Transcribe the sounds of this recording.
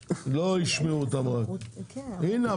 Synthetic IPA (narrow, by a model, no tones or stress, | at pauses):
loiʃmeut̪amʁak | ina